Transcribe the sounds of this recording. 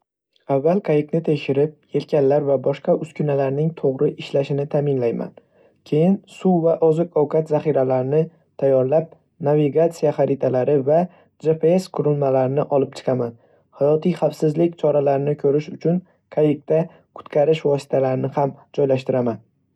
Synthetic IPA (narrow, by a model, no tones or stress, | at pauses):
avːalˠkʰajɪknɪt̪ʰe̞ʃɪɾɪp̚e̞lkʲanlːaɾvabɒʃqɑʊskʰʲʊnalaɾnɪŋt̪ʰoʁɾɪʔɪʃlaʃɪnɪt̪ʰamɪnlajma̰n | kʲʰe̞jɪnsuwvaʔɒzɪqɒwkʰat̪zaχiɾalaɾɪnɪ | t̪ʰajːɒɾlap̚ | naviɡat̪sijaχaɾɪt̪ʰalaɾɪva | d͡ʒe̞pʰeeskʰʊɾɪlmalaɾɪnɪʔɒlˠɪp̚t͡ʃʰɨ̥qʰɑman | hajɒt̪ʰijχafsɪzlɪk̚ʲt͡ʃʰɒɾalaɾɪnɪkʲʰɵɾɪʃʊt͡ʃʰʊn | kʰajɪk̚t̪a | kʰʊ̥t̪kʰaɾɪʃvɒsɪ̥t̪ʰalaɾɪnɪhamd͡ʒɒjlaʃt̪ɪɾaman